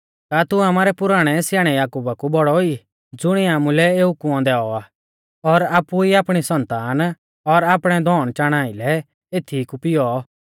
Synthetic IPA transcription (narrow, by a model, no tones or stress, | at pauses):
kaːt̪uamaːɾɛpʊɾaːɽ̃ɛsɪjaːɽ̃ɛjaːkuːbakubɔɽɔi | d͡zʊɽ̃iaːmulɛeːukʊɔ̃d̪ɛːɔaː | ɔɾaːpːuiaːpɽ̃isɐ̃nt̪aːn | ɔɾaːpɽ̃ɛd̪ʱɔːɽ̃t͡ʃaːɽ̃aːilɛ | eːt̪ʰikupɪjɔ